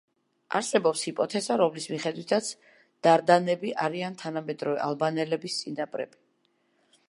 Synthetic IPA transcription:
a̰ɾsɛbɔpshipʼɔt̪ʰɛzaɾɔmlismiχɛd̪wit̪ʰat̪sʰ | d̪̥aɾd̪anɛbiʔaɾiant̪ʰanamɛd̪ɾɔvɛ̰ʔalˠbanɛlɛbist̪sʼinapʼɾɛ̰b̥i

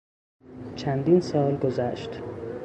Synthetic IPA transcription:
t͡ʃʰænd̪iːnsɒːlɡozæʃt̪

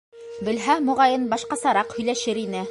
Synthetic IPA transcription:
bɘ̆lɦæmŏʁɑjɤnbɑʃqɑsɑɾɑqhɵ̆jlæʃɘɾinɘ

